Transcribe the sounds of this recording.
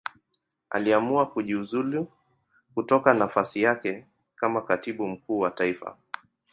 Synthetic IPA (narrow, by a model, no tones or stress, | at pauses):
a̰liamuakuʄiuzuli | kutɔkanafasijakɛ | kamakatiɓum̩kuːwataifa̰